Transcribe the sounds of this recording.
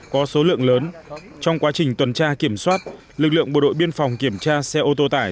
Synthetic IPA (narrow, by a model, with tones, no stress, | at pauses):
kɔ˨˦so˨˦lɨ̰˧˨əŋləː˨˦n | t͡ɕɔ˧wŋ͡mkwaː˨˦t͡ɕï˨˩ŋ̟t̪wə˨˩nt͡ɕaː˧ki˧˩əmswaː˦˥t̚ | lɨ˨˩k̚lɨ̰˧˨əŋʔɓo̰˧˩ɗo̰˧˨jɓi˧ənfɔ˨˩wŋ͡mki˧˩əmt͡ɕaː˧sɛ˧ʔo˧t̪o˧t̪aː˧˩